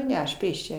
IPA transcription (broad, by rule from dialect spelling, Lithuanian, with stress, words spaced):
ˈnʲɛ ɐʃ ˈpʲeːʃʲt͡ʃʲɛ